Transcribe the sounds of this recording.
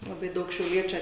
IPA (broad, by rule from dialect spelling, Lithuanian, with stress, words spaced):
lˠɐˈbɐɪ ˈdɐʊk ʃʲɛʊˈlʲiɛt͡ʃʲʊ